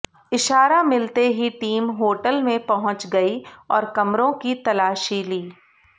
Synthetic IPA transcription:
ɪʃaːɾamɪlt̪eɦiʈiːmɦoːʈəlmẽpɐɦʊ̃t͡ʃɡɐiɔːɾkɐmɾõkit̪ɐlaːʃiliː

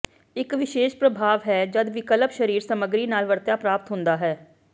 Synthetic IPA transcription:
ɪkʋɪʃeːʃpɾəbʱaːʋɦɛːd͡ʒəd̪ʋɪkələpʃəɾiːɾsəməɡɾiːnaːlʋəɾt̪jaːpɾaːpət̪ɦʊ̃nd̪aːɦɛː

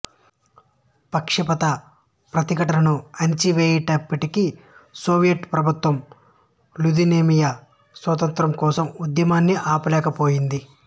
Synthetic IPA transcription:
pɐkʂɐpɐt̪ɐ | pɾɐt̪ikɐʈɐlɐnuɐɲt͡ʃiʋeːjɐʈɐpːɐʈikisoːʋijɐʈpɾɐbʱut̪ʋɐm | lud̪ineːmija | sʋɐt̪ɐnt̪ɾɐmkɔːsɐmud̪jɐmaːnːiʔaːpulɛːkɐpo̞ːjind̪i

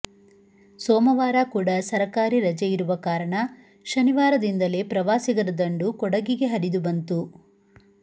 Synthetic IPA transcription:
sɔːmɐʋaːɾakuːɽɐsɐɾɐkaːɾiɾɐd͡ʒɐjiɾuʋɐkaːɾɐɳɐ | ʃɐniʋaːɾɐd̪ind̪ɐle̞pɾɐʋaːsiɡɐɾɐd̪ɐɳɖukɔɽɐɡiɡe̞ɦɐɾid̪ubɐnt̪u

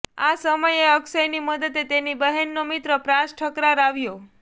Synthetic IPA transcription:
asəməjeəksəjniməd̪ət̪et̪enibəɦenːomit̪ɾəpɾasʈʰəkɾaɾaʋjo

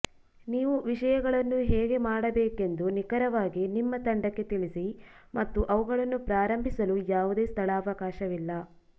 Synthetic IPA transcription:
niːʋuʋiʃɐjɐɡɐɭɐnːuɦeːɡe̞maːɽɐbeːke̞nd̪unikɐɾɐʋaːɡinimːɐt̪ɐɳɖɐkːe̞t̪iɭisimɐt̪ːuʔɐʋuɡɐɭɐnːupɾaːɾɐmbʱisɐlujaːʋud̪e̞ːst̪ʰɐɭaːʋɐkaːʃɐʋilːɐ

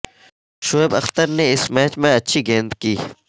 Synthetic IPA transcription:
ʃoeːbɐxt̪əɾneɪsmɛːt͡ʃmẽɐtːʃʰiɡẽːnt̪kiː

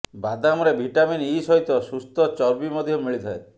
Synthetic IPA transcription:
bad̪amɔɾebʱiʈaminisɔɦit̪ɔsust̪ɔt͡ʃɔɾbimɔd̪ʱjɔmiɭit̪ʰae

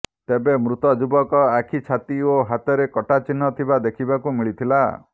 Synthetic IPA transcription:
t̪ebemɾut̪ɔd͡ʒubɔkɔakʰit͡ʃʰat̪ioɦat̪ɔɾekɔʈat͡ʃinːɔt̪ʰibad̪ekʰibakumiɭit̪ʰila̰

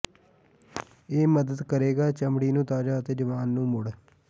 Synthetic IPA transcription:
eːməd̪əd̪kəɾeːɡaːt͡ʃəmɽiːnũːt̪aːd͡ʒaːət̪eːd͡ʒəʋaːnːũːmʊɽ

